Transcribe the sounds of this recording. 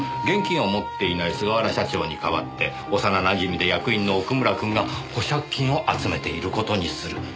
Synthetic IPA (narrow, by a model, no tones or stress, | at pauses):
ɡẽ̞ŋkʲĩɰ̃omo̞t̪ːe̞inaisɨɡaβaɾaɕat͡ɕo̞ːɲ̟ikaβat̪ːe̞ | o̞sananaʑimʲid̪e̞jakɯ̟ĩnːo̞ːkɯ̟mɯ̟ɾakɯ̟̃ŋɡaho̞ɕakʲːĩɰ̃o̞ʔat͡sɨme̞t̪e̞iɾɯ̟ko̞t̪o̞ɲ̟isɨɾɯ̟